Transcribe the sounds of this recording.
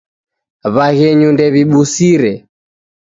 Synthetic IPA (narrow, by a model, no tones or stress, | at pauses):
βaɣɛɲundɛβiɓusiɾɛ